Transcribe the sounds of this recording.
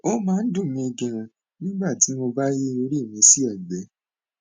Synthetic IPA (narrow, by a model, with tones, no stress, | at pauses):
o˦mãː˦n̩˦du˦˨mĩ˧e˧ɡẽ˧ɾ̃ã˧ | nĩ˦ɡ͡ba˦˨ti˨˦mo˧ba˦je˦o˧˦ɾi˦e˦˨mĩ˨˧˦si˦ɛ˨ɡ͡bɛ˨˧˦